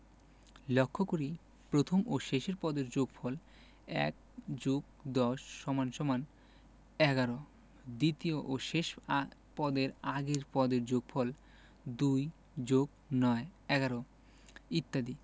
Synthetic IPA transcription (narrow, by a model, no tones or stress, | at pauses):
lokʰːokoɾi | pɾot̪ʰomoʃeʃeɾpɔd̪eɾd͡ʑoɡfʰɔl | ɛ̰k̚ | d͡ʑoɡ̚ | d̪ɔʃːɔmanʃɔman | ɛɡaɾo | d̪it̪ioʔoʃeʃpɔd̪eɾaɡeɾpɔd̪eɾd͡ʑoɡ̚fʰɔl | d̪uj | d͡ʑoɡ̚ | nɔeɛɡaɾo | it̪ːad̪i